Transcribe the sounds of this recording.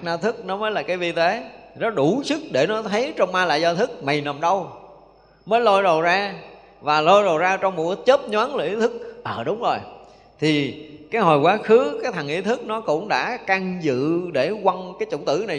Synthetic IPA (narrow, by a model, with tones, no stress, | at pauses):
k̚naː˧t̪ʰɨ˦˥k̚nɔ˨˦məː˨˦jlaː˨˩kaː˨˦jvi˧t̪e˨˦nɔ˨˦ɗu˧˩sɨ˦˥k̚ɗe˧˩nɔ˨˦t̪ʰə˨˦jt͡ɕɔ˧wŋ͡mmaː˧la̰ː˧˨jzɔ˧t̪ʰɨ˦˥k̚ma˨˩jna˨˩mɗə˧w | məː˨˦jlo˧jzo˨˩zaː˧ | vaː˨˩lo˧jzo˨˩zaː˧t͡ɕɔ˧wŋ͡mmo˨˩kə˦˥t͡ɕe˦˥p̚ɲwaː˨˦nlə˨˩ʔi˨˦t̪ʰɨ˦˥k̚ʔəː˨˩ɗʊ˨˦wŋ͡mzo˨˩j | t̪ʰi˨˩kaː˨˦jɦo˨˩jkwaː˨˦xɨ˨˦kaː˨˦jt̪ʰa˨˩ŋʔḭ˨˦t̪ʰɨ˦˥k̚nɔ˨˦kʊ̰˧˥ŋ͡mɗa̰ː˧˥ka˧ŋzɨ̰˧˨ɗe˧˩kwa˧ŋkaː˨˦jt͡ɕʊ˧˩ŋ͡mt̪ɨ̰˧˩na˨˩